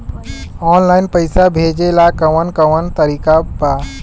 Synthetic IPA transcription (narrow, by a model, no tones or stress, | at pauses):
ɔːnlaːɪnpəɪsabʱeːd͡ʒelakəʋənkəʋənt̪əɾikaba